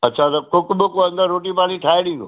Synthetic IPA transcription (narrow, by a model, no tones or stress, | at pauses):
ɐtːɕʰat̪ɐkʊkbɪkoɐ̃nd̪əɾːoːʈ̬ipaːniʈʰaːeɽĩːnd̪o̰